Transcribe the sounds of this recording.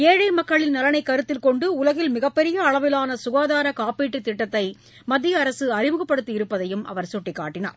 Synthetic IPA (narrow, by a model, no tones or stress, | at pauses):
eːɻiːɾmɐkːɐɭɪnnɐlɐnɐɪkːɐɾɯt̪ːɪlkɔɳɖɯʊlɐɣɪlmɪɣɐpːɛɾɪjɐːɭɐʋɪlaːnɐsʊɣaːðaːɾɐkaːpiːʈːit̪ːɪʈːɐt̪ːɐɪ | mɐd̪ːɪjɐːɾɐsɯɐɾɪmɯɣɐpːɐɽɯt̪ːɯɪɾɯpːɐðɐjɯmʔɐ̰ʋɐɾsʊʈːɪkːaːʈːɪna̰ːɾ